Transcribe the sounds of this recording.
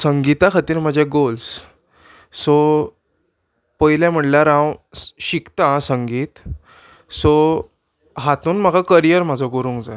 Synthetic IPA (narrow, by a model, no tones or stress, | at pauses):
səŋɡit̪akʰat̪iːɾm̤ad͡ʑʱjaɡols | sɔ | pəjljãm̤əʈlaɾãwɕikt̪asəŋɡiːt̪ | sɔ | ɦat̪uːnm̤əɡakəɾijəɾm̤ad͡zʱɔkoɾũŋkd͡zaj